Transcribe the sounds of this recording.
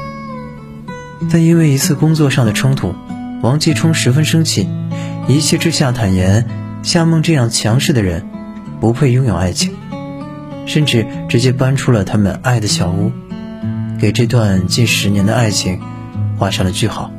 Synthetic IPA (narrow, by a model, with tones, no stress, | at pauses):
t̪a˥˧ni˥nwe˥˩ɪi˧˥t͡sʰɹ̩˥˩kʊ˥ŋt͡swɔ˥˧ʂɑ˥˩ŋd̪ə˩ʈ͡ʂʰʊ˥ŋt̪ʰṵ˨˩˦wɑ˧˥ŋt͡ɕi˥ʈ͡ʂʰʊ˥ŋʂɻ̩˧˥fə˥nʂɤ˥ŋt͡ɕʰi˥˩i˧˥t͡ɕʰjɛ˥˩˧ʈ͡ʂɻ̩˥ɕja˥˩t̪ʰa˨˩njɛ˧˥n | ɕja˥˧mɤ˥˧ŋʈ͡ʂɤ˥˧jɑ˥˩ŋt͡ɕʰjɑ˧˥ŋʂɻ̩˥˩d̪ə˩ɻə˧˥n | pu˧˥pʰwe˥˩ɪjʊ˥˧ŋjo˨˩a˥˩ɪt͡ɕʰi˧˥ŋ | ʂə˥˧nʈ͡ʂɻ̩˥˩ʈ͡ʂɻ̩˧˥t͡ɕjɛ˥pa˥nʈ͡ʂʰu˥lə˨t̪ʰa˥mə̰˧na˥˩ɪd̪ə˩ɕjɑ˨˩ʊu˥˩ | ke˨˩ɪʈ͡ʂɤ˥˧t̪̬wa˥˧nt͡ɕi˥˩nʂɻ̩˧˥njɛ˧˥nd̪ə˧a˥˩ɪt͡ɕʰi˧˥ŋ | xwa˥˧ʂɑ˥˩ŋlə˩t͡ɕy˥˩xɑ˨˩˦